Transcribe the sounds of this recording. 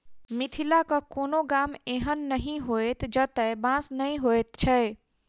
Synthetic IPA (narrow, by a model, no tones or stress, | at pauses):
mit̪ʰilakəkoːnoɡameɦənːəɦĩɦoet̪d͡ʒət̪əbãsnəĩɦojt̪t͡ʃʰɛ